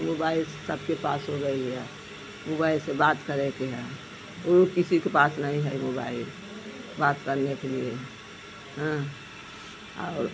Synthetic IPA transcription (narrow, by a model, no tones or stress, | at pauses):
mobailssəbkepasɦoɡəiɛ | mobaɪlsebat̪kəɾɛkeɦɛ̃ | okisikepasnəɦĩɦɛimoba̰il | bat̪kəɾnekelie | ɦə̃ | ɔ̰ːɾ